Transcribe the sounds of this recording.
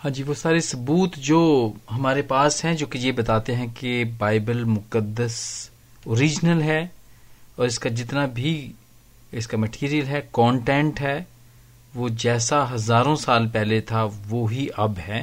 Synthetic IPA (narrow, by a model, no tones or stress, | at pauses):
ɦãːd͡ʒiːʋosaːɾesɐbuːt̪d͡ʒoːɦɐmaːɾepaːsɦɛ̃d͡ʒõːkejebɐt̪aːt̪eɦɛ̃kebaːɪbəlmʊkəd̪ːəs | oːɾiːd͡ʒnəlɦɛː | ɔːɾɪskad͡ʒɪt̪nabʱi | ɪskamɐʈʰiːɾijəlɦɛkɔ̃ːɳʈɛ̃ːɳʈɦɛː | ʋod͡ʒɛːsaɦɐzaːɾõsaːlpɛɦlet̪ʰaʋoɦiʔɐbɦɛː